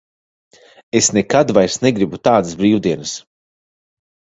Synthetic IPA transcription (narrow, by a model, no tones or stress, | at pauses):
esnekad̪vajɾsneɡɾibut̪aːd̪ɨsbɾiːwd̪iɛnɨs